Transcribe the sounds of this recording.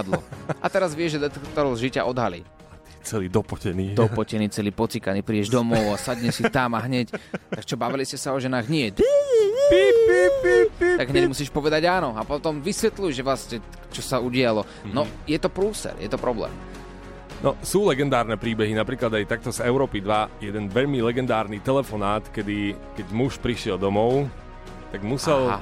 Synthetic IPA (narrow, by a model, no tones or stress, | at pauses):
d̪lɔ̰ʔat̪ɛɾazʋɪɛʒɛd̪ɛt̪ɛkt̪ɔɾɔʊzʒica̰ʔɔd̪ɦalḭ | at̪i̥t͡sɛliːd̪ɔpɔcɛniːd̪ɔɔcɛniːt͡sɛliːpɔt͡sikaniːpɾiːɛʒd̪ɔmɔʊasaɟɲɛsit̪amaɦɲɛct̪akt͡ʃɔbaʋiliscɛsaɔʒɛnaːɣɲɪɛtpipipipt̪aɡɦɲɛɟmusiːʃpɔʋɛd̪aɟaːnɔapɔt̪ɔmʋisʋɛt̪lujʒɛʋlascɛ | t͡ʃɔsauɟɪalɔ | nɔjɛt̪ɔpɾuːsɛ̰ɾjɛ̰t̪ɔpɾɔblɛ̰ːm | nʔɔsuːlɛɡɛnd̪aːɾnɛpɾiːbɛɦinapɾiːklad̪ajt̪ak̚t̪ɔzɛʊɾɔːpid̪ʋajɛd̪ɛnʋɛʎmilɛɡɛnd̪aːɾnit̪ɛlɛfɔnaːt̪kɛd̪i | kɛɟmuʃpɾiʃɪɛlˠd̪ɔmɔʊ | t̪aɡmusɛl